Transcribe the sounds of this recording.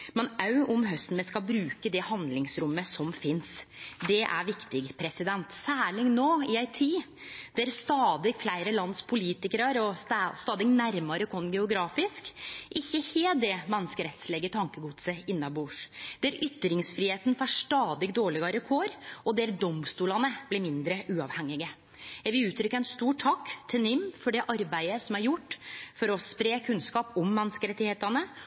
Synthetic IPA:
mɛnɑʉɔmɦœst̪n̩mɛskɑbɾʉːkəd̪ɛhɑnd̪lɪŋsɾʊmːəsɔmfɪnsd̪ɛʔæ̰ɾʋɪkt̪ɪɡpʰɾɛsɪd̪ɛnt̪sæːɭɪŋnoːɪæɪt̪ʰiː | d̪̥ɛæɾst̪ɑːd̪ɪɡflæɪɾəlɑnspʰʊliːt̪ɪkəɾɑɾɔst̪ɑːd̪ɪɡnæɾmɑɾəkʰɔnɡɛʊɡɾɑːfɪskʔɪçːəheːld̪ɛmɛnːəskəɾɛt̪sleːɡət̪ʰɑŋkəɡuːd̪səɪnːɑbuːʂd̪̥ɛæɾʏt̪ːɾɪŋsfɾiːheːt̪n̩fɑʂt̪ɑːd̪ɪɡd̪oːɭɪɡɑɾəkʰoɾɔd̪ɛɾd̪ɔmst̪uːlɑnəb̥lɪɾmɪnd̪ɾəʔʉːɑʋhɛŋːɪɡə | jæɡʋɪlʉːt̪ʰɾʏkːəæɛnst̪uːʈʰːɑkːt̪ʰɪnɪmːfɔɖɛʔɑɾbæɪəsɔmæɾjʊʈːfɔɾɔspɾeːkʰʉnskɑːpɔmːɛnskəɾɛt̪ɪheːt̪ɑnə

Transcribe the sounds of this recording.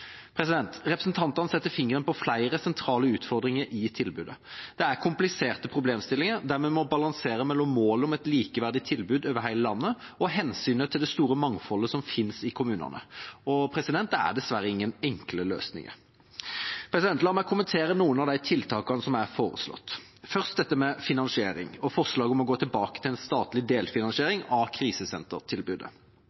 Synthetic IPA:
pʰɾɛsɪd̪ɛnt̪ʁɛpɾəsn̩t̪ʰɑnt̪ɑnəsɛt̪ːəfɪŋəʁənpɔflæɪɾəsɛnt̪ʰɾɑːləʉːt̪fɔɾd̪ɾɪŋəɾʔɪt̪ʰɪlbʉːd̪əd̪̥ɛæʁkʰʊmplɪseːʁt̪əpʰɾʊbleːmst̪ɪlːɪŋəɾd̪æɾmɛmɔbɑlɑŋseːɾəmɛlːɔmːoːlɔmɛt̪liːkəʋæʁd̪ɪt̪ʰɪlbʉːd̪øːʋəɦæɪləlɑnːə | ɔɦɛnsyːnət̪ʰɪld̪ɛst̪uːɾəmɑŋfɔlːəsɔmfɪnsɪkʰʊmʉːnɑ̰nə̰ɔpʰɾɛsɪd̪ɛnt̪əæ̰ʁd̪ɛsʋæɾəɪŋːənɛŋkləlø̰ːsnɪ̰ŋə̰ | pʰɾɛsɪd̪ɛnt̪lɑːmɛkʰʊmənt̪ʰeːɾənuːənɑʋd̪æɪt̪ʰɪlt̪ʰɑːkɑnəsɔmæɾfoːɾə̰slɔ̰t̪ː | fœʁst̪̚d̪ɛt̪ːəmɛfɪnɑnsɪeːɾɪ̰ŋɔfɔʁʂlɑːɡəɔmɔɡoːt̪ʰɪlbɑːkə̥t̪ʰɪlɛnst̪ɑːt̪lɪd̪eːlfɪnɑnsɪeːɾɪŋɑkʰɾiːsəsɛnt̪əʁt̪ʰɪlbʉd̪ə̰

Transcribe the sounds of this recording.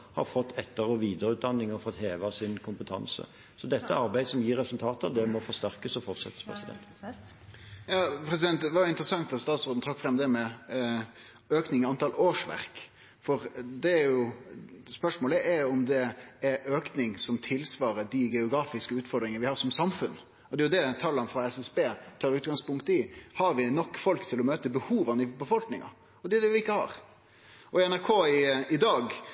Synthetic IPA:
hɑ̰ɾfɔt̪ʰːɛt̪ːəɾɔʋiːd̪əɾəʉːt̪d̪ɑnːɪŋɔfɔt̪heːʋɑsɪnkʰʊmpət̪ʰɑ̰nsə̰ | sɔd̪ɛt̪ːəɑɾbæɪsɔmjiːɾːɛsʉlt̪ʰɑːt̪ɑd̪ɛmɔfɔɾst̪æʁkəsɔfɔɾt̪sɛ̰t̪ːə̥spʰʁɛ̰sɪd̪ɛ̰nt̪ | jɑːpʰɾɛs̬ɪd̪ɛnt̪d̪ɛʋɑɾjʊɪnt̪ɾəsɑŋt̪ɑt̪st̪ɑːt̪sɔʁɾd̪n̩t̪ʰɑkːfʁɛmːd̪ɛmɛ | øːknɪŋɑnt̪ɑːloːʂʋæ̰ɾk | fɔɾd̪ɛæɾjʊ | spœʂmoːləʔɛɾɔmd̪ɛɛɾøːknɪŋsɔmt̪ʰɪlsʋɑːɾəd̪ɪɡɛʊɡɾɑːfɪskəʉːt̪fɔɾd̪ɾɪŋənəʋɪhɑːɾsɔmsɑmfʉn | ɔd̪ɛjʊd̪ɛt̪ʰɑlːɑnfɾɑɛsɛsbeːt̪ʰɑːɾʉːt̪̚ɡɑŋspʊŋkt̪ɪhɑɾʋɪnɔkːfɔlkt̪ʰɪlɔmøːt̪əbəhuːʋɑnəɪbəfɔlknɪ̰ŋɑ̰ | ɔd̪ɛʊd̪ɛʋɪɪkːəhɑ̰ːɾ | ɔɛnæɾkʰoːɪɪd̪ɑːɡ

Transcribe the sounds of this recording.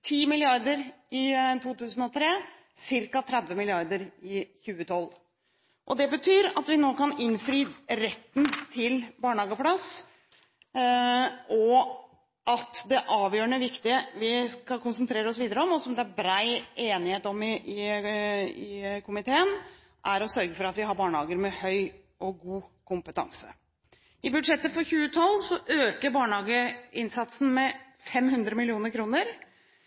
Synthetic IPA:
t̪ʰiːmɪlɪɑɾd̪əɾɪt̪ʰuːt̪ʉːsn̩ɔt̪ʰɾeː | sɪɾkɑt̪ʰɾɛd̪ʋəmɪlɪɑɾd̪əɾɪçʉːət̪ʰɔlː | ʔɔd̪ɛbət̪ʰyːɾɑt̪ʋɪnoːkɑnɪnfɾiːɾɛt̪ːn̩t̪ʰɪlbɑːɳhɑːɡəpʰlɑs | ʔɔ | ʔɑt̪d̪ɛʔɑːʋjøːɾəɳəʋɪkt̪ɪəʋɪskɑkʊnsənt̪ʰɾeːɾəɔsʋiːd̪əɾəɔmɔsɔmd̪ɛæɾbɾæɪeːnɪheːt̪ɔmɪɪ | ɪkʰʊmɪt̪ʰeːən | ʔæɾɔsœɾɡəfɔɾɑt̪ʋɪɦɑɾbɑːɳəhɑːɡəɾmɛhœʏ | ʔɔɡuːkʊmpət̪ʰɑ̰ŋsə̰ | ɪbʉd̪ʂɛt̪ːəfɔɾçʉːət̪ʰɑlːsɔʔøːkəɾbɑːɳhɑːɡəɪnsɑt̪sn̩mɛ | fɛmhʉnd̪ɾəmɪlɪuːnəɾkʰɾuːnəɾ

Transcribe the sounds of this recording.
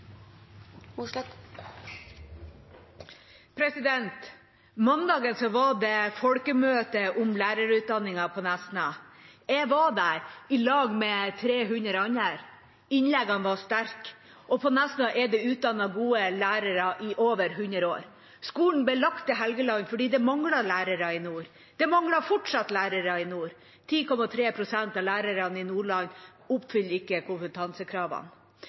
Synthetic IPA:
pʰɾɛsɪd̪ɛnt̪ | mɑnd̪ɑːɡənsɔʋɑɖɛfɔlkəmøːt̪əʔʊmlæːɾəɾʉːt̪̚d̪ɑnːɪŋɑpʰɔnæsnɑɛʋɑd̪æɾɪlɑːɡmɛt̪ʰɾeːɦʉnəɾɑɲːæɾ | ɪnlɛɡɑnʋɑst̪æɾk | ʔɔpʰɔnɛst̪əʔɛɖɛʉːt̪̚d̪ɑnːɑɡuːəlæːɾəɾɑʔɪʔoːʋəɾɦʉnɾəoːɾ | skuːln̩b̪ɛlɑkt̪əɦɛlɡəlɑŋfɔɖiːd̪ɛmɑŋlɑlæːɾəɾɑɪnuːɾ | d̪̥ɛmɑŋlɑfɔʈʂɑt̪læːɾəɾɑɪnuːɾ | t̪ʰiːkɔmɑt̪ʰɾeːpʰɾʊsɛnt̪ɑlæːɾəɾɑnɪnuːɭɑŋ | ʊpːfʏlːɪkːəkʰʊnfət̪ʰɑnsəkʰɾɑːʋɑ̰n

